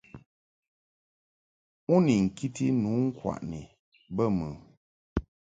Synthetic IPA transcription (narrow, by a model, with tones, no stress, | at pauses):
u˦ni˨ŋ̩˨ki˦ti˦nu˨˦ŋ̩˦kwa̰˨ʔni˨ | bə˦˨mə˨